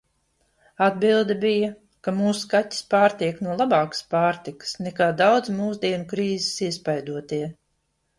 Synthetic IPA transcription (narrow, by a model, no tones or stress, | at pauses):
ad̪bilˠd̪ɐbija | kamuːskatʲːi̥spaːɾt̪iɛknuɔlˠabaːkə̥spaːɾt̪ikɨ̥snɛkaːd̪awd̪zmuːzd̪iɛnukɾiːzisiɛspajd̪uɔt̪iɛ